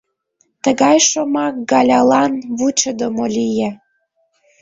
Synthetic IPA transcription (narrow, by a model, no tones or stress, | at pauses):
t̪əɣɑjʃomɑk̚ɡɑlʲɑlɑnβut͡ɕəd̪omolʲije